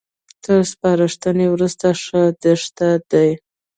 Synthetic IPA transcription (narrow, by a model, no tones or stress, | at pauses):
t̪əɾspɑɾɪʂt̪ənewɾust̪aʂəd̪əʂt̪ad̪aj